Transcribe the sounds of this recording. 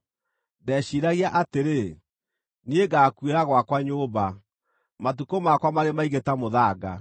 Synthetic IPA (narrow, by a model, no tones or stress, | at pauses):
dɛɕiɾaɣiaʔateɾe | nieɡaːkweɾaɣwakwaɲoːba | mat̬ukomakwamaɾemaiɣetamoðaːɡa̰